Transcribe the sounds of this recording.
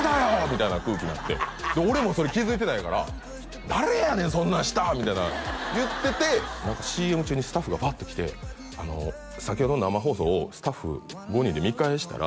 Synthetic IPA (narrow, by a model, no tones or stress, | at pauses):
d̪ajomʲit̪ainakɯ̟ːkʲiɲinat̪ːe̞̰d̪eo̞ɾe̞moso̞ɾe̞kʲizɨit̪e̞naikaɾa̰ | d̪aɾe̞janẽ̞sõ̞nːãɕi̥t̪amʲit̪ainajɯ̟t̪ːe̞t̪e̞nãŋkaɕiːe̞mɯ̟t͡ɕɨːɲ̟isɨ̥t̪aɸːɯɡabaːt̪ːo̞kʲi̥t̪e̞̰ | a̰no̞̰ | sakʲho̞d̪o̞nnamaɦo̞ːso̞ːsɨ̥t̪aɸːɯ̰ | ɡo̞ɲ̟id̪e̞mʲikaeɕi̥t̪a̰ɾʔa̰